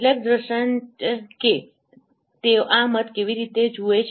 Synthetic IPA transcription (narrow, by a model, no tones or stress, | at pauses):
lek̚d̪ɾəʃənke | t̪eoʔamət̪keʋiɾit̪ed͡ʒuet͡ʃʰ